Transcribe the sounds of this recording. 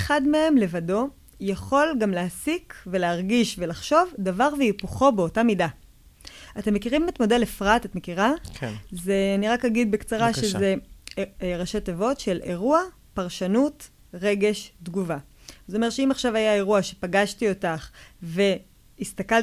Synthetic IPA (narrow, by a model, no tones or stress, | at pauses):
eχadmee̞mle̞vado̞ | jaχo̞lɡamleasikve̞leaʁɡiʃve̞laχʃo̞vdavaʁveipuχo̞beotamida | ate̞mːekiʁimetmo̞delefʁatatme̞kiʁakzeaniʁakhaɡid̪̚bekt͡saʁaʃeze | ʁaʃot̪evo̞tʃe̞le̞ʁua | paʁʃanut | ʁe̞ɡe̞ʃdɡuva | zeome̞tʃeimaχʃavajae̞ʁuaʃe̞paɡaʃtio̞taχve̞ | ist̪akal